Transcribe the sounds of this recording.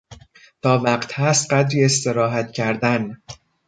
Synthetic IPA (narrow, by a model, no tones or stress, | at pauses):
t̪ʰɒːvæqt̪hæst̪̚ɢæd̪ɾiːe̞st̪e̞ɾɒːɦæt̪cʰæɾd̪æn